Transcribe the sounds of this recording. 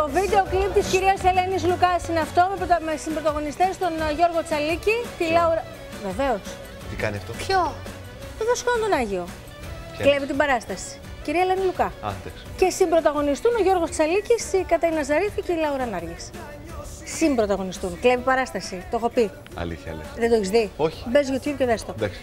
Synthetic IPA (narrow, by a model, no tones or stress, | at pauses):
t̪o̞vid̪e̞oklipt̪isciɾiɐselenizlukɐsineɐft̪o̞mepɾmesimbɾo̞t̪ɐɣo̞nist̪e̞st̪o̞nʝo̞ɾɣo̞t͡sɐlicit̪ilɐuɾɐ | ve̞ve̞o̞s | t̪ikɐ̰niɐ̰ft̪opço | t̪oðeskoont̪o̞nɐʝio̞ | klevit̪imbɐɾɐst̪ɐsi̥ | ciɾiɐlenilukɐɐ̰nd̪ɐksce̞simbɾo̞t̪ɐɣo̞nist̪uno̞ʝo̞ɾɣost̪i̥sɐliciskɐt̪ɐinɐzɐɾiθuceilɐuɾɐnɐɾʝes | simbɾo̞t̪ɐɣo̞nist̪unklevipɐɾɐst̪ɐsit̪oxo̞pi | ɐ̰lḭçɐɐ̰lḭðed̪oeçizðioçi̥be̞zʝot̪ʰçuðceðest̪o̞d̪ɐks